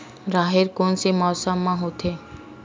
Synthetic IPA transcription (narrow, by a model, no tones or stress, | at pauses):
ɾaɦeɾkonsemɔsamːãɦot̪ʰe